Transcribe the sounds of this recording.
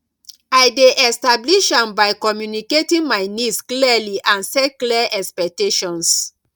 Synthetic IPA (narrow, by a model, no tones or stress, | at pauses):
ajdeʔɛstabliʃãmbajkɔmjuniketĩŋmaɪnisklialiʔãnsɛkuliaʔɛkspɛk̚teʃɔ̃ns